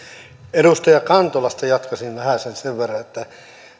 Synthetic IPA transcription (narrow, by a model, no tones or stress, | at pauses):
eɾust̪ɑjɑkɑnt̪olɑst̪ɑjɑt̪kɑsinʋæhæˑsenseʋʋerːɑet̪ːæ